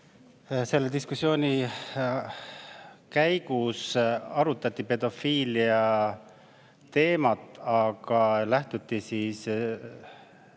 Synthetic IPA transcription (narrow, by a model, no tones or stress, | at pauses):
se̞lːed̪̥iskusjo̞ːnʲi | kæjɡ̥usɑɾut̪ːˑɑt̪ˑːipe̞d̪̥o̞fiːliɑ | t̪e̞ːmɑt̪ːˑɑɡ̥ɑlæht̪ut̪ˑːisiːs